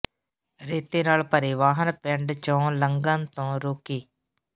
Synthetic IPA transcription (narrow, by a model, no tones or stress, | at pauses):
ɾeːt̪eːnaːlpəɾɪʋaːɦənpɛ̃ɳɖt͡ʃõːləŋɡənt̪õːɾoːkeː